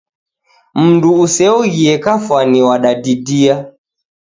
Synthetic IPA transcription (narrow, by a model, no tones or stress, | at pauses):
m̩nduusɛɔɣiɛkafwaniwaɗadidia